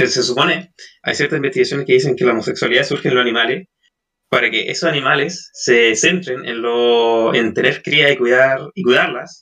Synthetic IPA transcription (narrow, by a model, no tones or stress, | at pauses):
esesupo̞nea̰jsjeɾt̪asimbet̪iɣasjo̞neskeðis̬eŋkelaomosekswaliðasuɾxenlosanĩmales | paɾakeʔḛsosanimalesːese̞nt̪ɾenḛnloḛnt̪e̞neɾkɾiaikiðaɾikwiðaɾlas